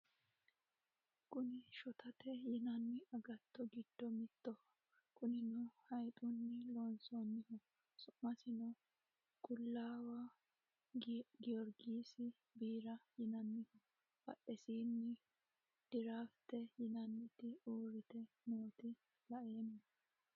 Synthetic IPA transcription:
kʼʊnɪʃɔt̪ɐt̪ɛjɪnɐnːɪʔɐɡɐt̪ːɔɡɪd̪ːɔmɪt̪ːɔ | kʰʼʊnɪnʊhɐjt̪ʼunːɪloːnsɔnːɪhɔ | sʊʔmɐsɪnɔ | ɡʊlːaːwa | ɡɪjɔɾɡiːsɪ | biːɾɐjɪnɐnːɪhɔ | bɐ̰ʔːɛsiːnːɪ | d̪̥ɪɾaːft̪ːɛjɪnɐnːɪt̪ɪuːɾɪt̪ɛ | moːt̪ɪ | lɐʔe̞ːnːɐ

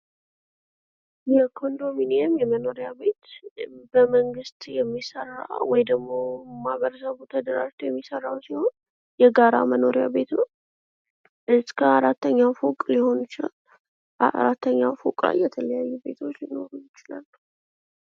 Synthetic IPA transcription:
jɛkʰo̞nd̪o̞mineɛmjɛməno̞ɾijaβe̞t̪bəməŋɡɨst̪jɛmːisə̰rːa̰wɔjd̪əɡmo̞maβəɾəsəβut̪ʰəd̪əɾa̰ʒt̪ʰuwjɛmːisərːawsiho̞n | jɛɡaɾa̰məno̞ɾijaβe̞t̪nəw | ʔɨskʰəaɾat̪ːəɲːafukʼliho̞nut͡ʃɪlal | aɾat̪ːəɲːafukʼla̰jːɛt̪ʰələjajːube̞̰t̪ʰo̞t͡ʃːlino̞ɾujɪt͡ʃɪlalː

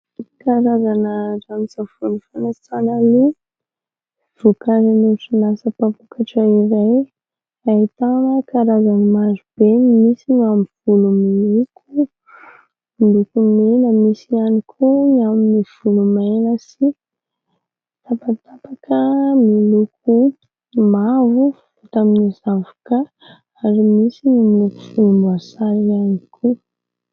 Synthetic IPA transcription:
kaɾazanəzamisavunifanat͡sanali | v̥okazanuʈ͡ʂinasəpapukʰaʈ͡ʂaiɾaj | at̪anəkaɾazanimazub̥enimisiŋamv̥ulumilukʰu | milukumenəmisianikʰuaminiv̥ulumajnəsi | t̪apat̪apakʰəmilukʰu | mavu | vut̪aminizavu̥kə | aɾimisinimiluku̥fulumbasaɾianikʰu

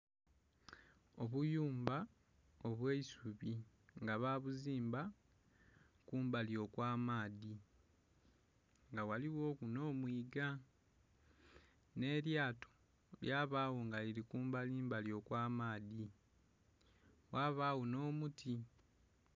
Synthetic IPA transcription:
o̞βujuːmba | o̞βweisuβi | ŋɡaβaːβuziːmba | kuːmbaljo̞kwaːmaːði | ŋɡawaliwo̞ːkuno̞ːmwiːɡa | ne̞ːljaːto̥ | ljaːβaːwoŋɡaliɾikuːmbaliːmbaljo̞kwaːmaːði | waːβaːwono̞ːmutʰi

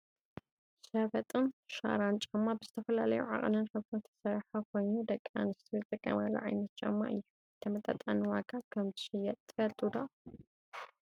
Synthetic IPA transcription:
ʃɐβɐt̪ʼɨnʃa̰ɾant͡ʃʼamːabɨzɨt̪ʰɐfɐlalɐjuʕa̰qʼnɨnħɨβt̪ʰɨnt̪ʰɐ̥sɐɾħakʰo̞jnud̪ɐkʼːa̰nɨst̪ʰizɨt̪ʼɨkʼːɐ̰mɐlːṵʕa̰jnɐt̪̚t͡ʃʼa̰mːa̰ɨjːu | ɨt̪ʰɐmɐt̪ʼa̰t̪ʼanɨwaɡakʰɐmzɨʃɛjɛt̪ʼt̪ʰɨfɐlt̪ʼud̪a

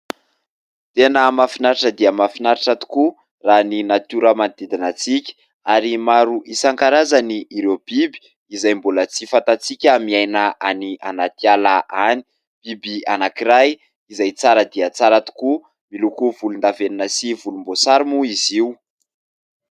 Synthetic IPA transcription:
t̪enəmafinaɾiʈ͡ʂəd̪iəmafinaɾiʈ͡ʂat̪u̥ku | raninat̪uɾəmand̪id̪inət͡sikʲə̥ | aɾimaɾuʔisaŋkaɾazaniʔːɾewb̥ibi̥ | izajmbolət͡sifant̪at͡sikʲamiajnaʔanianat̪ialaʔani̥ | b̥ibianakiɾaj | izajt͡saɾəd̪iət͡saɾat̪u̥ku | milukuvulund̪aveninəsivulumbosaɾimuiziu

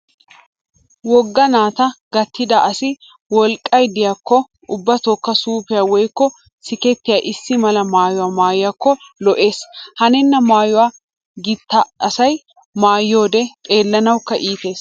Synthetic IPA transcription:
wɔɡːɐnaːt̪ɐɡɐt̪ʰːɪd̪ɐʔɐsɪ | wɔlkʼːɐjd̪ɪjakːɔ | ʔʊbːɐt̪okːɐsuːpɪjaːwɔjkːɔ | sɪkɛt̪ːɪjaːʔɪsːɪmɐlɐmaːjʊwaːmaːjjɐkːɔlɔʔe̞ːshɐnɛnːɐmaːjʊwaː | ɡɪt̪ːɐːsɐj | maːjːoːd̪ɛt̪ʼe̞ːlːɐnɐwkːɐʔiːt̪e̞ːs

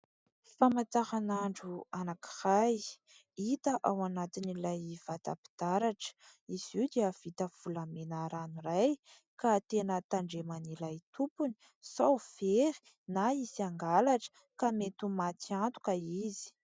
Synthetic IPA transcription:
famat͡sahanaɳɖ͡ʐuanaki̥raj | it̪əʔawanat̪inilajv̥at̪a̰pi̥d̪̥aɾaʈ͡ʂə̥iz̥iwd̪eəv̥it̪əv̥ulamenaɾanuɾaj | kat̪enət̪aɳɖ͡ʐemanilajt̪upuni̥ | sawfeɾi̥ | naisiaŋɡalaʈ͡ʂə̥ | kamet̪umat̪iant̪u̥kaizi̥

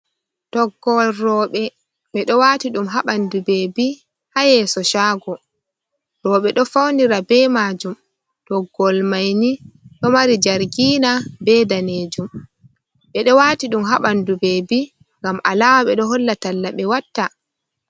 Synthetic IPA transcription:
tɔɡɔlrɔːɓɛ | ɓɛɗɔwaːtiɗumɦaɓandubɛbi | hajɛsɔʃaːɡɔ | ɾɔɓɛɗɔfawndiɾabɛmaːd͡ʒum | tɔɡɔlmajniɗɔmaɾid͡ʒaɾɡiːnabɛdaneːd͡ʒum | ɓɛɗɔwaːtiɗumɦaɓandubɛbi | ŋɡamʔalaːmaɓɛɗɔɦɔlːatalːaɓɛwatːa

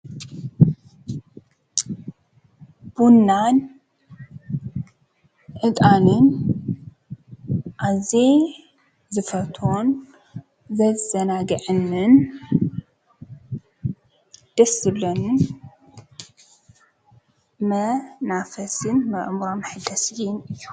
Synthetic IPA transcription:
b̥unːan | ʔɨt̪ʼanɨn | ʔaze | zɨfɐt̪ʰon | zɐzɐnaɡɨʕɨnːɨn | d̪̥ɐsɨlːonɨn | mɐnafɐsɨnmɐʔmɾomħɨd̪ɐsinɨjːu̥

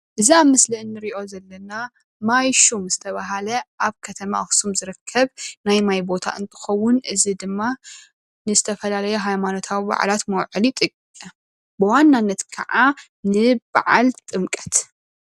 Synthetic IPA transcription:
ʔɨziamɨslɨnːɨɾiʔo̞zɐlːɐna | majʃumzɨt̪ʰɐβaɦalɐʔaβkʰɐt̪ʰɐma̰xsumzɨɾɨkʰːɐβnajmajbo̞t̪ʰa̰ʔɨ̰nt̪ʰɨ̥xɐwːʊnʔɨzid̪ɨmːa | nɨzɨt̪ʰɐfɐlalɐjɛɦajmano̞t̪ʰawiba̰ʕlat̪mɐwʕɨlit̪ʼɨkʼkʼɐ | bɨwanːanːɐt̪kʰɐ̰ʕa | nɨba̰ʕa̰lt̪ʼɨmkʼɐ̥t̪

